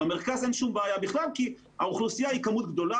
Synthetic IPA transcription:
emeʁkazenʃumbaajabiχlalki | ha̰uχlusijaikamut̪ɡd̪o̞la

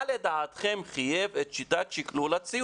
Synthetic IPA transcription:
led̪aːt̪χemχijevet̪ʃit̪at̪ʃiklulat͡si

